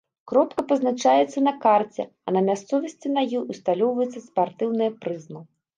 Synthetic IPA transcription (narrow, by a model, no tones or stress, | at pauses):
kɾɔpkɐpɐznat͡ʂajɛt̪sːɐnɐkart͡sʲɛ̰ | ɐnɐmʲast̪sɔvɐsʲt͡sʲinajixust̪alʲɔwvɐjɛt̪sːɐspart̪ɨwnɨjɐpɾɨzmɐ